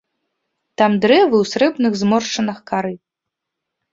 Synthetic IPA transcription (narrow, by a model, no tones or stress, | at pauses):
t̪amd̪ɾɛvɨwsɾɛbnɨɣzmɔrʂt͡ʂɐnɐxkaɾɨ